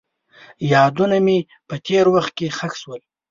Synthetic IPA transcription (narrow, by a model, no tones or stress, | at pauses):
jɑd̪uname | pət̪ʰeɾwaxt̪̚kexakswəl